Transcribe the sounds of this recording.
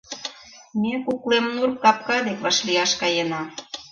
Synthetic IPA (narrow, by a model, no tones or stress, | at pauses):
mekuklemnurkkɑp̚kɑd̪ekβɑʃliɑʃkɑjenɑ